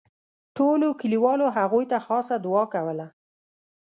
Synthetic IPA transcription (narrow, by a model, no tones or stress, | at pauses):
ʈolokəliwɑloɦaɣujt̪axɑsad̪ʊɑkawəla